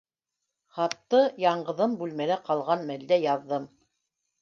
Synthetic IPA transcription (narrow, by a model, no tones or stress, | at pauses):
χɑt̪ːɤjɑɴɢɤ̆ðɤmbʉlmælæqɑlˠʁɑnmæld̪æjɑðːɤm